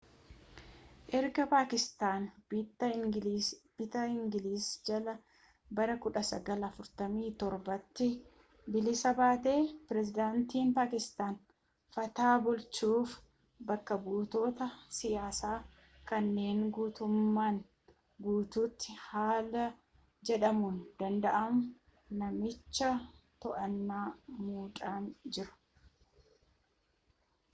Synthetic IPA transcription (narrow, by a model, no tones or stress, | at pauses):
ʔɛɾɡɐpaːkɪst̪aːnbt̪ːɐ | b̥ɪt̪ɐɪŋɡɪliːsd͡ʒɐlɐ | bɐɾɐkʊᶑɐsɐɡɐlɐfʊɾt̪ɐmiːt̪ɔɾbɐt̪ːɪ | bɪlɪsɐbaːt̪e̞ːpɪɾɛzɪd̪aːnt̪iːnpaːkɪst̪aːn | fɐt̪aːbʊlt͡ʃuːf | bɐkːɐbuːt̪o̞ːt̪ɐsɪjaːsaː | kɐnːe̞ːŋɡuːt̪ʊmːaːn | ɡuːt̪uːt̪ːɪhaːlɐ | d͡ʒɛᶑɐmund̪̥ɐnd̪ɐʔɐmʊ | nɐmɪt͡ʃːɐt̪ɔʔɐnːaːmuːᶑʼaːnd͡ʒɪɾʊ̥